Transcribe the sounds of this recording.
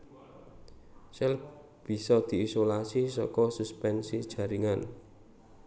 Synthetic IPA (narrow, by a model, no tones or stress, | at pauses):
sɛl | b̥i̤sɔd̪̥i̤isolasisɔkɔsuspɛnsid̥ʒ̥ä̤ɾiŋan